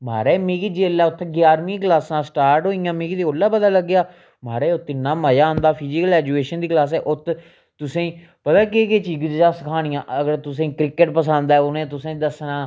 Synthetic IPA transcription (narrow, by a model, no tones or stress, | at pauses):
maːɾɛːmĩːkid͡ʒeːlːaːʊt̪ʰɡjaːɾmĩːklaːsãːsʈaːɾʈɦoːijãːmĩːkit̪eːoːlːaːbəd̪aːləɡːjaː | maːɾɛːʊt̪ʰːɪnːãːmaːjãːnd̪aːpʰiːd͡ʒɪkəlɛːd͡ʒueːʃənd̪iːklaːs̬ɛːʔʊt̪ʰ | t̪ʊsẽiː | pət̪aːk̬eket͡ʃiːɡd͡ʒd͡ʒaːsəkʰaːɽɪjãːʔəɡəɾt̪ʊs̬ẽːiːkɾɪkəʈpəsãːnd̪aːɛːʊnẽːt̪ʊsẽːd̪əsnaː